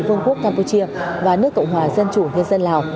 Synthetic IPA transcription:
fɨ˧əŋku˦˥əkːaː˧mpu˧t͡ɕi˧əvaː˨˩nɨ˦˥əkːɔ̰˧˨wŋ͡mɦwaː˨˩zə˧nt͡ɕu˧˩ŋi˧ənzə˧nlaː˨˩w

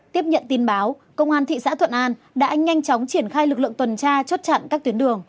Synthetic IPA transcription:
t̪i˦˥əp̚ɲə̰˧˨nt̪i˨˩nɓaː˨˦w | kə˧wŋ͡mʔaː˧nt̪ʰḭ˧˨sa̰ː˧˥t̪ʰwə̰˧˨nʔaː˧n | ɗa̰ː˧˥ɲa˧jŋ̟t͡ɕɔ˨˦wŋ͡mt͡ɕi˧˩ənxaː˧jlɨ˨˩k̚lɨ̰˧˨əŋt̪wə˨˩nt͡ɕaː˧t͡ɕo˦˥t̚t͡ɕa̰˧˨nkaː˦˥k̚t̪wənɗɨ˨˩əŋ

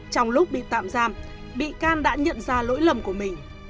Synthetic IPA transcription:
t͡ɕɔ˧wŋ͡mlʊ˦˥k͡p̚ɓḭ˧˨t̪a̰ː˧˨mzaː˧m | ɓḭ˧˨kaː˧nɗa̰ː˧˥ɲə̰˧˨nzaː˧lo̰˧˥jlə˨˧˩mku˧˩əmï˨˩ŋ̟

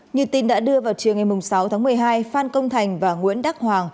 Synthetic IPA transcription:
ɲɨ˨˩əwt̪i˨˩nɗa̰ː˧˥ɗɨ˧əvaː˨˩wt͡ɕi˨˩əŋa˨˩jmʊ˨˩ŋ͡msa˨˦wt̪ʰaː˨˦mɨ˨˩əjɦaː˧jfaː˧nkə˧wŋ͡mt̪ʰa˨˩jŋ̟vaː˨˩ŋwḭ˧˥ənɗaː˦˥k̚hwaː˨˩ŋ

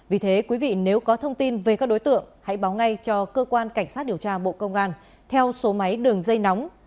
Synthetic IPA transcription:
vi˨˩t̪ʰe˨˦kwi˨˦vḭ˧˨ne˨˦wkɔ˨˦t̪ʰə˧wŋ͡mt̪i˧nve˨˩kaː˦˥k̚ɗo˨˦jt̪ɨ̰˧˨əŋha̰˧˥jɓaː˨˦wŋa˧jt͡ɕɔ˧kəː˧kwaː˧nka˧˩jŋ̟saː˦˥t̚ɗi˨˩əwt͡ɕaː˧ɓo̰˧˨kə˧wŋ͡mʔaː˧n | t̪ʰɛ˧wso˨˦ma˨˦jɗɨ˨˩əŋzə˧jna˨˦wŋ͡m

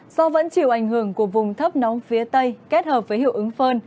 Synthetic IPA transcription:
zɔ˧və̰˧˥nt͡ɕi˧˩˨wʔa˧˩jŋ̟hɨ˧˩əŋku˧˩əvʊ˨˩ŋ͡mt̪ʰə˦˥p̚nɔ˨˦mfi˨˦ət̪ə˧jke˦˥t̚həː˨˩p̚vəː˨˦jhḭ˧˨əwʔɨ˨˦ŋfəː˧n

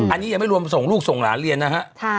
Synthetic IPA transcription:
ʔa˧nːi˦˥ja˧ŋma˥˩jɾu˧əmso˨˩ŋluː˥˩k̚so˨˩ŋlaː˩˦nɾi˧ənːa˦˥kʰa˦˥ʔʰa˥˩

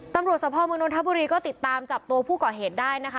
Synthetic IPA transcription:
t̪a˧mɾu˨˩ət̪̚sa˧˩pʰɔː˧mɯː˧no˧nt̪a˦˥buː˧ɾiː˧kɔː˥˩t̪i˨˩t̪ːaː˧mt͡ɕa˨˩p̚t̪u˧ɐpʰuː˥˩kɔː˨˩ɦeː˨˩t̪̚daː˥˩jna˦˥kʰa˦

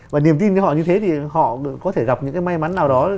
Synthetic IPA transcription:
vaː˨˩ni˨˩əmt̪i˧n˧hɔ̰˧˨ɲɨ˧t̪ʰe˨˦t̪ʰi˨˩hɔ̰˧˨kɔ˨˦t̪ʰe˧˩ɣa˨˩p̚ɲɨ̰˧˥ŋkaː˨˦jma˧jma˨˦nːaː˨˩wɗɔ˨˦

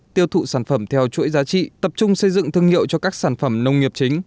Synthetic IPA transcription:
t̪i˧əwt̪ʰṵ˧˨saː˧˩nfə˧˩mt̪ʰɛ˧wt͡ɕṵ˧˥jzaː˨˦t͡ɕḭ˧˨t̪ə˨˩p̚t͡ɕʊ˧ŋ͡msə˧jzɨ̰˧˨ŋt̪ʰɨ˧əŋhḭ˧˨əwt͡ɕɔ˧kaː˦˥k̚saː˧˩nfə˧˩mnə˧wŋ͡mŋi˨˩əp̚t͡ɕï˨˦ŋ̟

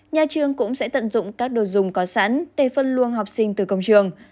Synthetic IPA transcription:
ɲaː˨˩t͡ɕɨ˨˧əŋkʊ̰˧˥ŋ͡msɛ̰˧˥t̪ə̰˧˨nzʊ̰˧˨ŋ͡mkaː˦˥k̚ɗo˨˩jzʊ˨˩ŋ͡mkɔ˨˦sa̰ː˧˥nɗe˧˩fə˧nlu˧ənɦɔ˨˩wk͡p̚sï˧ŋt̪ɨ˨˩kə˧wŋ͡mt͡ɕɨ˧˩əŋ

